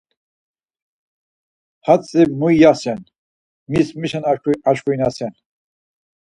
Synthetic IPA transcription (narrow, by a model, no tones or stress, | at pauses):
hat͡sːimujjasɛn | mismiʃanauaʃkʰujinasɛn